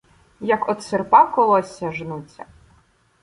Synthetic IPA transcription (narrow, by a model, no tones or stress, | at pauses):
jɐkɔt̪serpɑkɔlˠɔsʲːɐʒnut͡sʲːɐ̰